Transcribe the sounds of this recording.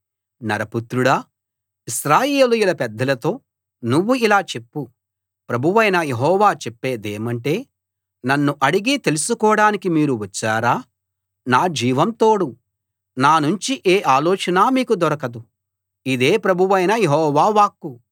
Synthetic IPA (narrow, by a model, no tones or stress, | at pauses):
nɐɾɐput̪ɾuɽaː | iʃɾaːjeːlujulɐpɛd̪ːɐlɐt̪o̞ː | nuʋːuilaːt͡ʃe̞pːu | pɾɐbʱuʋɐjnɐje̞ɦɔːʋaːt͡ʃepːe̞ːd̪eːmɐɳʈe̞ː | nɐnːuʔɐɽiɡit̪e̞lusukɔːɽaːnikimiːɾuʋɐt͡ʃːaːɾaː | naːd͡ʒiːʋɐmt̪o̞ːɽu | naːnuɲt͡ʃiʔeːʔaːlɔːt͡ʃɐnaːmiːkud̪ɔɾɐkɐd̪u | id̪e̞ːpɾɐbʱuʋɐjnɐjeɦɔːʋaːʋaːkːu